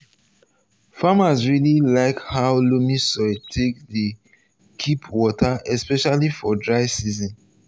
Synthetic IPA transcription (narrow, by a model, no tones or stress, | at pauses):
famasɹililaɪkhaʊlumisɔɪtʰek̚də | kʰipʰwɔtʰaʔɛspɛʃalifɔdɹaɪsizɔ̃n